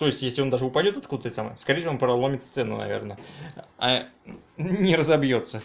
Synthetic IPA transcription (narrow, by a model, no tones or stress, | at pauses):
t̪o̞ɪsʲtʲjesʲlʲɪo̞nd̪aʐɨʊpɐdʲo̞t̪ɐt̪kud̪ət̪ət̪samɨ̰jskɐɾʲejsʲvonpɾɐlˠomʲɪt̪st̪sɛnʊ̰nɐ̰vʲḛrnəa̰ | nʲɪɾəzɐbjo̞t̪sə